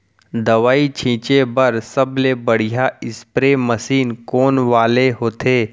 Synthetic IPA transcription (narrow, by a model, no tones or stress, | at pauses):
d̪ɐʋaːit͡ʃʰĩːt͡ʃebɐɾsɐblebəɽ̤ijaɪspɾemɐsiːnkoːnʋaːleɦoːt̪eː